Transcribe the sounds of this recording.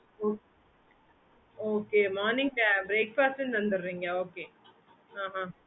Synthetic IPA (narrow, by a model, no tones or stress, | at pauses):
oː | oːkemɔːnɪ̃ŋɡ̚pɛbɾeːk̚paːst̪ɪnt̪ɐnd̪ɯɾːiːŋɡɐoːkeː | ãːɦã